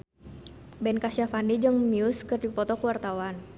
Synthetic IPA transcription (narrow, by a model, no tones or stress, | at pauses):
bɛnkasiafanid͡ʒəŋmiuskɨrdipɔt̪ɔkəwart̪awan